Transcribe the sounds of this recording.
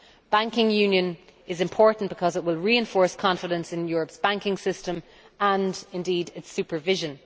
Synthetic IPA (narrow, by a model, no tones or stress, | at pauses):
b̥ãŋkɪ̃ŋjʉ̃ːnjə̃nɪzɪ̃mpʰɔɹʔn̩b̥ɪkʰɒzɪt̚wɪlˠɹiɛ̃ɱfɔɹskʰɑ̃ɱfɪɾə̃nsɪ̃njɔːɹəpsb̥ãŋkɪ̃ŋsɪstə̃m | ə̃ndɪ̃ndiːdɪtsʉpə˞vɪʒə̃n